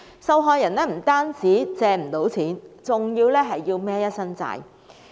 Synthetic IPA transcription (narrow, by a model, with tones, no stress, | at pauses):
sɐ˧wɦɔː˧jɐ˨˩nɛː˥m̩˨˩t̪aː˥nt͡siː˨˥t͡sɛː˧m̩˨˩t̪o˨˥wt͡sʰiː˨˥nt͡sʊ˨ŋjiː˧wlɛː˥ɦɐ˨jːiː˧wmɛː˥jɐ˥t̚sɐ˥nt͡sa̰ː˧j